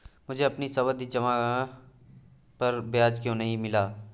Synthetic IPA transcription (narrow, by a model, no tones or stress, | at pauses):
mʊd͡ʒʱeɐpnisɐʋəd̪id͡ʒɐma | pɐɾbɪjaːd͡ʒkjõːnɐɦĩmɪlaː